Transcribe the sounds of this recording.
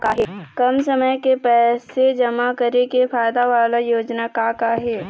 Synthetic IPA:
kaɦɛkɐmsɐməjkepɛːsed͡ʒɐmakɐɾekefaːjd̪aʋaːlajoːd͡ʒnakakaɦɛː

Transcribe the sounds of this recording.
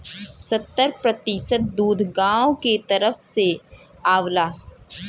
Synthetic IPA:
sɐt̪ːəɾpɾɐt̪isət̪̚d̪uːd̪ʱɡãːõket̪ɐɾəfse | aːʋlaː

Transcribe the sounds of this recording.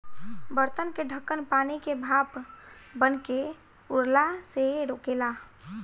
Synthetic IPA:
bəɾt̪ənkeɖʱəkːənpaːnikebʱaːpbənke | ʊɽlaseɾoːkela

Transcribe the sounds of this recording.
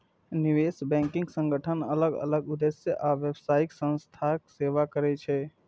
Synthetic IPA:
niʋesbɛ̃ŋkĩŋɡsə̃ŋɡəʈʰənələɡə̰ləɡud̪esjəʔaʋjəbsaiksə̃nst̪ʰakseʋakəɾɛt͡ʃʰɛ

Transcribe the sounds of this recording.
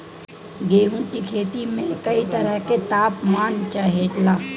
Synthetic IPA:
ɡeːɦũʈikʰeːt̪imẽkɐit̪əɾəɦket̪aːpmaːnt͡ʃaːɦeːt̪laː

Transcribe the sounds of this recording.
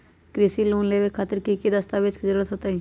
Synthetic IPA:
kɾisiluːnleːʋekʰaːt̪ɪɾkikid̪əst̪aːʋet͡ʃkizəɾuːɾət̪ɦoːt̪aɦĩː

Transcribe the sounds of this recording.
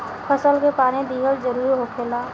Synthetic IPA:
pʰəsəlkepaːnẽd̪iːɦəld͡ʒəɾuːɾɦokʰeːlaː

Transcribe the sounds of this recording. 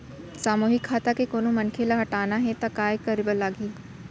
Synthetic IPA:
saːmoːɦɪkʰːaːt̪akekoːnomɐnkʰelaɦɐʈaːnaɦɛt̪akaːekɐɾibəlːaːɡiː

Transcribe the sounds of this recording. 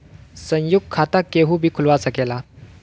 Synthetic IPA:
sə̃jjuɡ̚kʰat̪akeɦũbʱiːkʰʊlʋasəkela

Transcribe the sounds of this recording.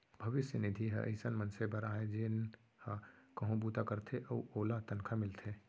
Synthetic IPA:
bʱɐʋɪsjənɪd̪ʱiɦə̰ʔə̰ɪsənmənsebəɾaːed͡ʒɪn | hakɐɦũbuːt̪akəɾt̪ʰeʔəoːlat̪ənkʰamɪlt̪ʰe

